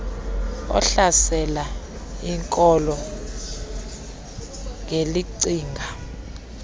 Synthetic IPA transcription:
ɔ̰ɬasɛla | iŋkʼɔlɔ | ŋeliǀiːŋɡʱa

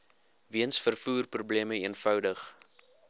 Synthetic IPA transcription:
viənsfərfuːrprubliəməiənfœwdəχ

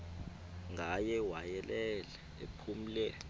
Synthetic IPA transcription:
ŋʱajɛwajɛlɛlɛ | ḛpʰum̩lɛ

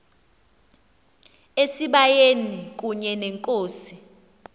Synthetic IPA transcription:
esiɓajenik̬ʼuɲɛnɛŋkʼoːsi

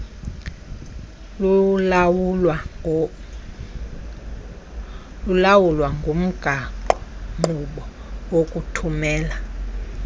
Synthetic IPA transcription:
lulawulwaŋɡʱom̩ɡ̥ʱaǃɔŋ͡ǃuɓɔwokʼutʰumɛːla

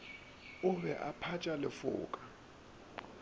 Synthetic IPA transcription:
ʊβɛʔapʰat͡ʃʼalɪfʊ̰ːkʼḁ

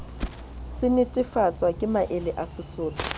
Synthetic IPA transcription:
sɪnɪtʼɪfat͡sʼwakʼɪmaʔɪlɪʔasɪsʊːlʼɔ̥

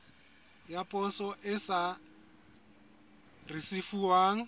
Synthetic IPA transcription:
japʼɔsɔʔɪsa | risifuwaːŋ̩

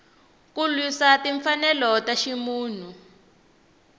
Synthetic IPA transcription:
kulwisatiɱfanɛlɔtaʃimuːn̤u

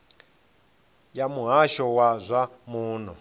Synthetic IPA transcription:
jamuɦaʃɔwazʷamuːn̤ɔ

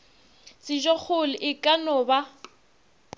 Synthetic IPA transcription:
t͡sʼɪʒɔk͡xʰʊlɪʔɪkʼanʊba

